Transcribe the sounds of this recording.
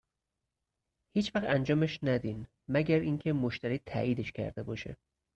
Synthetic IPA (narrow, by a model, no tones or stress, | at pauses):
hiːt͡ʃʰvæxænd͡ʒɒːmeʃnæd̪in | mæɟæɾincʰe̞moʃt̪æɾiːt̪ʰæ̰ʔiːd̪eʃcʰæ̰ɾd̪e̞bɒːʃḛ